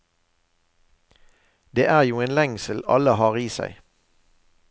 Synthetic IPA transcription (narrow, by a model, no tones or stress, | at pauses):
d̪eːʔæːʁjuːeːnlɛŋsəl̩ɑ̰ləhɑːʁiːsæ̰ɪ